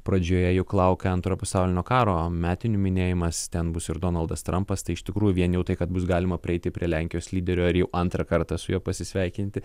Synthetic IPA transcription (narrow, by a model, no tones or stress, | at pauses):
pɾɐd͡ʒʲoːjɛjʊklˠɐʊkʲɛɐnt̪ɾoːpɐsɑʊlʲɪnʲoːkɑːɾoːmʲæːt̪ʲɪnʲumʲɪnʲeːjɪmɐst̪ʲɛnbʊsɪɾd̪oːnɐlˠd̪ɐst̪ɾɐmpɐst̪ɐɪɪʃt̪ʲɪkɾuːjuʊʋʲiɛnjɛʊt̪ɐɪkɐt̪̚bʊsɡɑːlʲɪmɐpʲɾʲɪɛɪt̪ʲɪpʲɾʲiɛlʲæˑŋʲkʲɪjoːslʲiːd̪ʲɛɾʲoːɪɾjɛʊʔɐnt̪ɾɐkɐɾt̪ɑsʊjoːpɐsʲɪsʲʋʲɛɪkʲɪnʲt̪ʲɪ